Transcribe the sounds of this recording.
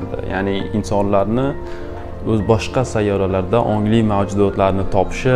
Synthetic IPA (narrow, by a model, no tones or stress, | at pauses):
d̪ɪ̰ja̰nɪɪnsɒnlaɾnɪ | ɵzbɒʃqɑsajːɒɾalaɾd̪aʔɒŋlɪmawd͡ʒʊd̪ɒt̪laɾnɪt̪ʰɒpʰɪ̥ʃɪ